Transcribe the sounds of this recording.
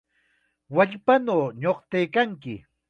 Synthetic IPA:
waʎpanoːɲoχt̪ejkaŋkɪ

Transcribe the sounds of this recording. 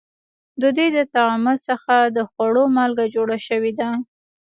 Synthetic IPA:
d̪əd̪wejd̪ət̪aaməsəxad̪əxwaɽomɑlɡad͡ʒoɽaʃəwed̪a

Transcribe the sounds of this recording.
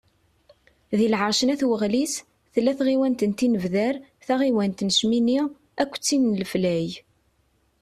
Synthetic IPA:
ðilʕəɾˤʃənæθwəʁlis | θlːæθʁiwænt̪ənt̪inəvðæɾθæʁiwænt̪nəʃmini | ækʷːt͡sːinlflæj

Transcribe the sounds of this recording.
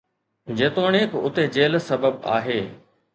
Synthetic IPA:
d͡ʑeːt̪oːɽ̃eːkʊt̪ed͡ʑeːlsɐbəba̰ːɦeː

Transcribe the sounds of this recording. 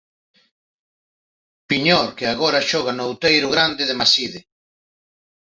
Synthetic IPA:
piɲɔɾkɪaɣɔɾɐʃɔɣanʊowt̪ejɾʊɣɾand̪ɪðɪmasiðɪ

